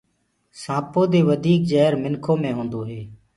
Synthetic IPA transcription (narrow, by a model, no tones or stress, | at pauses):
sãːpoːd̪eːʋəd̪ʱiːk̚d͡ʒɛːɾmɪnkʰõːmẽːɦõːnd̪oːɦeː